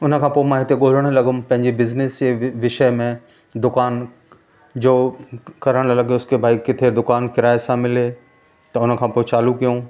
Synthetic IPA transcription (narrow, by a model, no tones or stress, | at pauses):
ʊnə̆kʰãːpoːɪmãːɦɪt̪eɠoːl̤əɽ̃lɐɡʊmpɐ̃ɦɪ̃ɲd͡ʑibɪznɪseʋɪʃəmẽ | d̪ʊkaːn | d͡ʑoːkɐɾəɽ̃lɐɠioʊskʰebʱaːikːɪt̪ʰed̪ʊkaːnkɪɾaːesãmɪle | t̪ɐʊnə̆kʰãpoːɪt͡ɕaːlukijũ